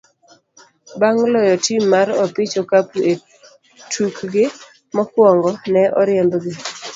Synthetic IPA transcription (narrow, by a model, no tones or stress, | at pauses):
baŋlɔjɔtimːaɾɔpɪt͡ʃokapue | tʰukɡɪ | mɔkwɔŋɡɔnɛʔɔɾɪɛmbɡɪ